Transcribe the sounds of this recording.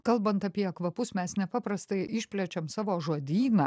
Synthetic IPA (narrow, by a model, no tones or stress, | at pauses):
kɐlˠbɐnt̪ɐpʲiɛɐkʋɐpʊsmʲɛsnʲɛpɑːpɾɐst̪ɐɪʔɪʃʲpʲlʲɛt͡ʃʲɛmsɑːʋoːʒuɔd̪ʲiːnɑː